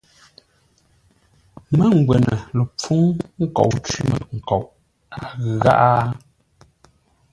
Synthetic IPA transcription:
mə˦ŋ̩˨ɡwɛ˨nə˨lə˨p͡fu˦ŋŋ̩˦kɔ̰˨ʔt͡ʃi˦mə̰˨ŋ̩˨kɔ˨ʔ | a˨ɣɣa̰˦ʔa˦

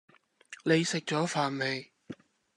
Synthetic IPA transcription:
nle˨˧jsɪ˨k̚t͡sɔː˨˥faː˨nme˨˧j

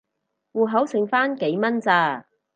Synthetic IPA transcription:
wuː˨˩ɦɐ˨˥wsɪ˨˩ŋfaː˥nke˨˥jmɐ˥nt͡saː˧˩

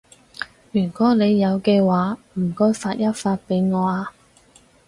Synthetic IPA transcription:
jyː˨˩nkɔː˨˥le˨˧jːɐ˨˧wkɛː˧waː˨˥m̩˨˩kɔː˥jfaː˧t̚jɐ˥t̚faː˧t̚pe˨˥jŋɔː˨˧aː˧

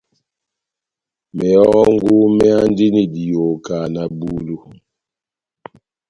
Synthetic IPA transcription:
mɛ˨ɔ˦ŋɡu˦mɛ˦a˦ndi˦ni˨di˨jo˨ka˨na˨bu˦lu˦

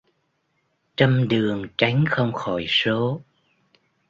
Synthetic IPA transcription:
t͡ɕə˧mɗɨ˨˩əŋt͡ɕa˨˦jŋ̟xə˧wŋ͡mxɔ˧˩jso˨˦

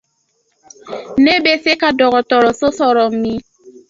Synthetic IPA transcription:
ne˦be˦se˦ka˦dɔ˨ɣɔ˨tɔ˨ɾɔ˨so˦sɔ˦ɾɔ˨m̩˦mi˦

